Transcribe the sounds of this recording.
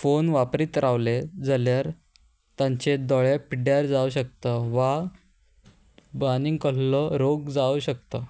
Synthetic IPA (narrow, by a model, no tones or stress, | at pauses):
fonʋapɾiːt̪ɾʔaʋled͡zəljaɾ | t̪jãɲt͡ɕed̪ɔɭjapiɖjaɾd͡zauɕək̚t̪əʋa | baniŋɡkəɭlɔɾoɡd͡zauɕək̚t̪ə